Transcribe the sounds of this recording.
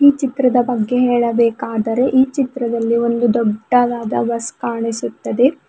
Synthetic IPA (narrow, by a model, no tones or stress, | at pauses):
iːt͡ʃit̪ɾɐd̪ɐbɐɡːe̞ɦɛːɭɐbɛːkaːd̪ɐɾe̞ʔiːt͡ʃit̪ɾɐd̪ɐlːio̞nd̪ud̪ɔɖːɐʋaːd̪ɐ̰ʋɐskaːɳisut̪ːɐd̪e̞